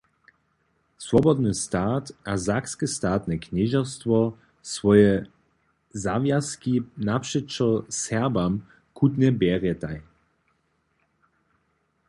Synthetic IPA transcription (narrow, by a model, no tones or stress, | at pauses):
svɔbɔd̪nɨst̪aːt̪ʔazakskəst̪aːt̪nɛknɛʒɔst̪vɔ | svɔjɛ | zavjaskinapʂɛt͡ʃɔsɛʁbam | kʰud̪nɛbjɛːʁjɛt̪aj